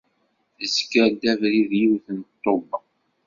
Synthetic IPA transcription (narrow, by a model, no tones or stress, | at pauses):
θəzkːəd̪ævɾiðjiwθənt̪ˤːobə